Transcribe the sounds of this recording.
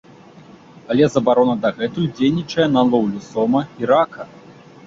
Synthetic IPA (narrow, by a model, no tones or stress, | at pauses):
ɐlʲɛzɐbaɾɔnɐd̪ɐɣɛt̪ujd͡zʲejnʲit͡ʂɐjɛnɐlˠɔwlʲusɔmɐiɾakɐ